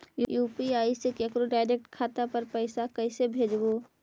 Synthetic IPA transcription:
jjuːpiaːisekekɾoɖaːɪɾek̚ʈkʰaːt̪apɐɾpəɪsakəsebʱeːd͡ʒboː

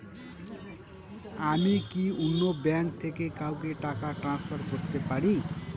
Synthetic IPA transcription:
amikiunːobjaŋk̚t̪ʰekekawkeʈakaʈrãnspʰʌrɡost̪epaɽi

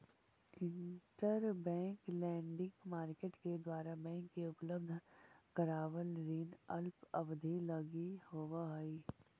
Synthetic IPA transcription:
ɪ̃ɳʈəɾbɛ̃ːŋklɛ̃ːɳɖɪ̃ŋɡmaːɾkeːʈked̪waːɾabɛ̃ːŋkːeʊpləbd̪ʱkəɾaːʋəlɾeːnəlpɐbd̪ʱilɐɡihoːʋaɦəi

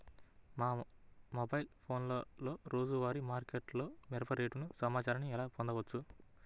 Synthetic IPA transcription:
maːmobɐjilpʰo̞ːnlolo̞ːɾo̞ːd͡ʒuʋaːɾimaːɾkeʈlo̞ːmɛɾɐpɐɾeːʈunusɐmaːt͡ʃaːɾɐniɛlaːpɔnd̪ɐʋɐt͡ʃːu

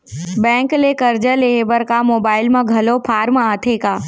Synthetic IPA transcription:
bɛ̃ːŋklekəɾd͡ʒəleːɦebəɾkamoːbaːɪlmẽɡʱɐlopʰaːɾmaːt̪ʰeːkaː

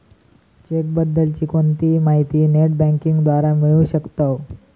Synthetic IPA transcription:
t͡ɕek̚bəd̪ːəlt͡ɕiːkont̪iːmaɦit̪iːneʈbæ̃ŋkiŋɡd̪ʋaɾamiɭũːɕəkt̪ə

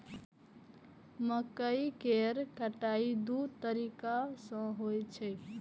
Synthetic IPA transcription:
məkəikeɾkəʈaid̪ut̪əɾikasə̃ɦojt͡ʃʰɛ

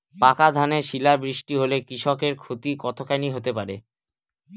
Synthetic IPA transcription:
pakad̪ʱaneʃilabɾiʃʈiɦolekɾiʃɔkeɾkʰot̪ikɔt̪ʰokajniɦot̪epaɾe

